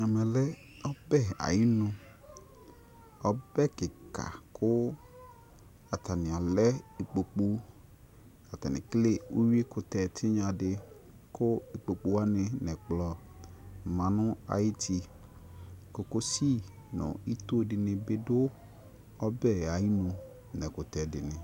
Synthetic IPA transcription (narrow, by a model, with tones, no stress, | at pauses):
ɲã˨mɛ̃˨lɛ˦ | ɔ˦bɛ˦˨a̰˨ji˦nʊ̃˦ | ɔ˦bɛ˦kɪ˨ka̰˨kʰʊ˦ | a˨t̪a˨nɪ̃˨a˨lɛ˦e˨k͡po˨k͡pu˦ | a˨t̪ɛ˨nɪ̰̃˨kle˦u˦wi˦e˦kʊ˨t̪ɛ˨t̪ʰɪ˦ɲã˨dɪ˨ | kʰʊ˦e˨k͡po˨k͡pu˦a˦nɪ̃˨nɛ̃˨k͡plɔ˨ | mã˨nʊ̃˦a̰˨jɪ˦tʰi˨˦ | kʊ˨kʊ˦si˦ | nʊ̰̃˨i˦t̪o˦dɪ˨nɪ̃˨bɪ˦dʊ˦ | ɔ˦bɛ˦˨a˨i˦nʊ̃˨ | nɛ̃˨kʊ˨t̪ɛ˨dɪ˨nɪ̃˨